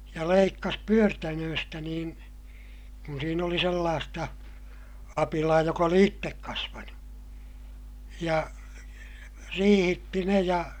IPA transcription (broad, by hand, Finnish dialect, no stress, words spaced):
jɑ leikːɑs pyørtænøːstæ niːn̞ kun siːn oli selːɑːstɑ ɑpilɑː jok oli itːek kɑsʋɑnu jɑ riːhitːi ne jɑ